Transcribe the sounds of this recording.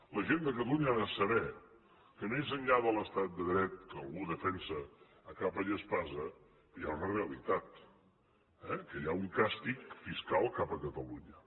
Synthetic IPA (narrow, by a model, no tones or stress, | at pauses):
ləʒend̪əkət̪əluɲəəsəβɛ | kənoezənʎaðələst̪at̪̚d̪əðɾɛt̪̚kəəlˠɣuðəfɛnsəː | kapəʎəspazə | pjaunəreəlit̪at̪ | ɛkəjauŋkast̪ikfiskalˠkapəkət̪əluɲə